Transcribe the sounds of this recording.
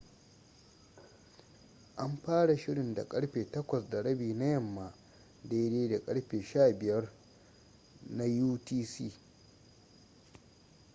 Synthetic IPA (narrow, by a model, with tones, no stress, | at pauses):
ʔa˦mɸaː˦ɽa˨ʃɪ˦ɽɪ˨nda̰˨kʼɐ˦ɽɸeː˨tɐ˦kʷɐ˨sda˨ɽɐ˦biː˨na˦jɐ˦˨mːa˨ | deː˦deː˦da˨kʼɐ˦ɽɸeː˨ʃaː˦˨bɪ˨jɐ˦r | na˦juː˦tiː˦siː˦˨